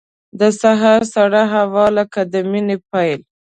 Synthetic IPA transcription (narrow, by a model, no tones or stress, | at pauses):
d̪əsaɦaɾsaɽaɦawɑləkad̪əminepajl